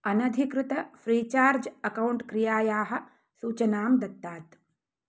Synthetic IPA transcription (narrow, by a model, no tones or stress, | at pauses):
ɐnɐd̪ʱikɾut̪ɐfʰɾiːt͡ʃaːɾd͡ʒɐkɐwɳʈkɾijaːjaːɦɐ̆ | suːt͡ʃɐnaːmd̪ɐt̪ːaːt̪